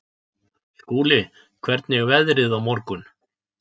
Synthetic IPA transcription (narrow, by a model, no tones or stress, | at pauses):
skuːlɪ | kʰvɛɾt̪nɪɣvɛðɾɪðawmɔɾkʏn